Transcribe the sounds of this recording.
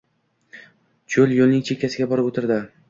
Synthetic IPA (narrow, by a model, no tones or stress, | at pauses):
t͡ʃʰoljolnɪŋt͡ʃʰe̞kʲʰːasɪɡʲabɒɾɪpot̪ʰɪɾd̪ɪ